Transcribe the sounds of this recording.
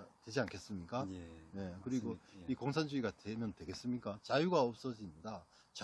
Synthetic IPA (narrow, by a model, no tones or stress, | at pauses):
twe̞d͡ʑiankʰe̞s͈ɯmɲik͈ane̞kɯɾiɡoikoŋsʰand͡ʑuiɡadwemjʌntwe̞ɡe̞s͈ɯmɲik͈at͡ɕajuɡaʌp̚s͈ʌd͡ʑinida | t͡ɕ